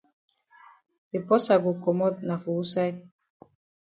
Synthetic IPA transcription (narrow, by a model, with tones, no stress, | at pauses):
bi˨pɔ˦sa˨ɡu˨kɔ˨mɔ˦t̪na˨fu˨wu˦sa˦i˦